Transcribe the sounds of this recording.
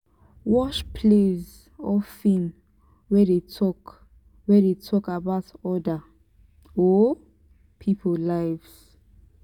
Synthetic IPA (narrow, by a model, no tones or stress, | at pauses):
wɔʃpʰlez | ɔfĩm | wɛdetʰɔk | wɛdetʰɔkabaʊtɔda | ɔ | pʰipʰɔllaɪvs